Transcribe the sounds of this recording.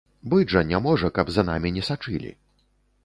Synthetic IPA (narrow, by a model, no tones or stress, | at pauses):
bɨʐɐnʲamɔʐɐkɐbzana̰mʲinʲɛsat͡ʂɨ̰lʲḭ